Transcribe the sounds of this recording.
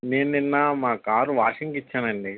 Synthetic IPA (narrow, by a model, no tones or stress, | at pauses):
neːnninːaːmaːkaːɾuʋaːʂiŋkit͡ʃːaːnɐɳɖi